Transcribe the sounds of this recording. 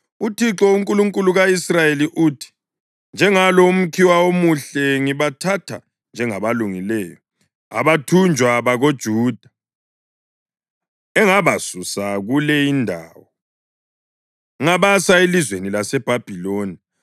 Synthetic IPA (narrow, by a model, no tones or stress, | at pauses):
utʰiǁɔuŋkʼuluŋkʼuluɣaisrajeliʔuːtʰi̥ | nd͡ʒʱɛŋaloum̩kʰiwaomuɬɛŋiβatʰatʰa̰ | nd͡ʒʱɛŋaβaluŋilɛːjɔ | a̰βatʰund͡ʒʱwaβaɣod̥ʒ̥ʱuːd̥ʱa | ɛŋaβasusaɣulɛindʱa̰ːwɔ | ŋaβasaelizwenilasɛb̥ʱab̥ʱiloːni